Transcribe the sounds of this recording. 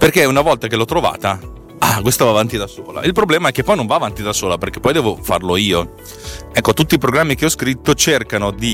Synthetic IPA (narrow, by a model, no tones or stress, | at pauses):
perkeunavɔlt̪ak̟elɔt̪ːɾova̰ːt̪a | akwest̪avaːvant̪id̪asoːla̰ʔilpɾoblɛːmaɛkːepːɔjnoɱvaːvant̪id̪asoːlaperk̟e̥pːɔjd̪ɛːvofa̰rloiːo | ɛkːot̪ut̪ːiːpɾoɡɾamːik̟eɔskɾit̪ːot͡ʃerkanod̪i